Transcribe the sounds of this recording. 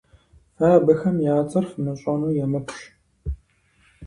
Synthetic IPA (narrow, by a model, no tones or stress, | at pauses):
aːbɐxɐmjaːt͡sʼɐrfɨmɐɕʼɐnuːjɛmɐpʷʰɕ